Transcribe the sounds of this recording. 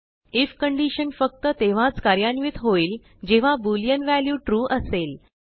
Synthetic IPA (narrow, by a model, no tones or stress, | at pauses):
ifkəɳɖiɕənfək̚t̪ət̪eʋ̤at͡skaɾjanʋit̪ɦoiːl | d͡ʑeʋ̤abuljənʋæljuːʈɾuːʔəsel